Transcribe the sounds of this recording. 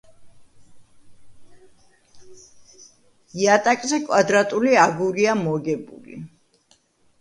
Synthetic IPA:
iat̪ʼakʼzɛkʼwad̪ɾat̪ʼuliaɡuɾiamɔɡɛbṵlḭ

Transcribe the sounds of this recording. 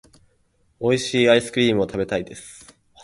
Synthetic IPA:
o̞iɕiːaisɨ̥kɯ̟iːmɯ̟o̞t̪ʰabe̞t̪aid̪e̞sɨ̥

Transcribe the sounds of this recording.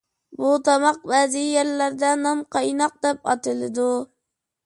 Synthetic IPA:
but̪ʰɑmɑq̚bæːzɪjeɾlæɾd̪anɑmqɑjnɑq̚d̪ɛp̚ɑ̰t̪ɨlˠɪd̪ʊ

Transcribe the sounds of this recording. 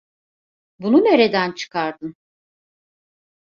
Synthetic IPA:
bunumeɾed̪ænt͡ʃʰɯ̥kʰaɾd̪ɯn

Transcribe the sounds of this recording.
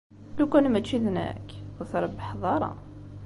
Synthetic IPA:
lukænmæt͡ʃːiðnæ̰kəθɾˤəbːəħðˤɑɾˤɑ̰

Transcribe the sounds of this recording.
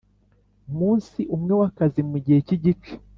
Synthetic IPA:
umuːnsiʔumŋe̞wakazimuɟiheciɟit͡ʃe̥

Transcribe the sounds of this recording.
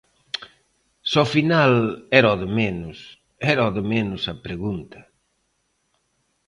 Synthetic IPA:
sɔfinalɛɾɔðemenʊs | ɛɾɔðɪmenʊsɐpɾeɣunt̪ɐ̥

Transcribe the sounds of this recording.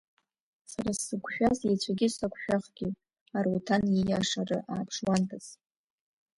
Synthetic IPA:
saɾasːɨɡʷʃᶣazejt͡ɕʷʰaɡʲɪsakʷʰʼʃᶣaχɡʲɪ | arutʰanjijaʂarɨʔaːpʰʂwantʰaz

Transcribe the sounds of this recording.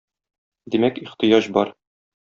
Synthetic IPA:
d̪imækiχt̪ɤ̆jɑʑbɒɾ

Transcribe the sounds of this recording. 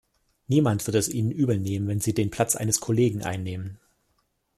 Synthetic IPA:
niːmantv̥ɪɐtɛsʔiːnənʔyːbəneːmənvɛnziːdeːnpʰl̥at͡sʔa̰ɪnəskʰoleːɡŋ̩ʔa̰ɪnːeːmən

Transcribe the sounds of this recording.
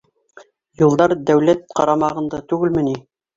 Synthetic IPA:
julˠd̪ɑɾd̪æwlæt̪̚qɑɾɑmɑʁɤ̆nd̪ɑt̪ʉɡɘlmɘ̆ni

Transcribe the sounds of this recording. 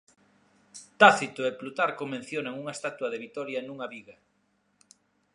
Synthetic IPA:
t̪aθit̪oeplut̪aɾkomẽn̟θjoneŋuŋaest̪at̪wɐðeβit̪ɔɾjanuŋaβiɣa

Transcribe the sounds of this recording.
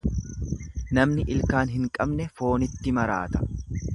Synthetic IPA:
nɐmnɪʔɪlkaːnɦɪŋkʼɐbnɛfo̞ːnɪt̪ːɪmɐɾa̰ːt̪ɐ̥

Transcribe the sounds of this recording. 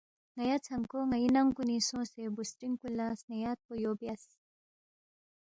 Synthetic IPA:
ŋɐjat͡sʰɐŋkoŋɐjinɐŋkunisõːsebusɾiŋkulasnejaːt̪̚pojoːbjas

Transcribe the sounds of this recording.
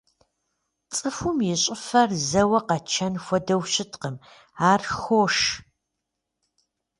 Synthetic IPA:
t͡sʼɨfumjɪɕʼɪfɐrzɐwɐqɐt͡ʃʰɐnxʷɔdɐwɕɪtqəm | aːrxoːʂ

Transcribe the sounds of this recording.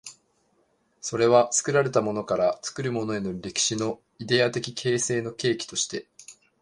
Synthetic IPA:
so̞ɾe̞βat͡sɨ̥kɯ̟ɾaɾe̞t̪amo̞no̞kaɾat͡sɨ̥kɯ̟ɾɯ̟mo̞no̞e̞no̞ɾʲe̞kʲi̥ɕino̞ | id̪e̞at̪e̞kʲikʰe̞ːse̞ːno̞ke̞ːkʲi̥t̪o̞ɕi̥t̪e̞

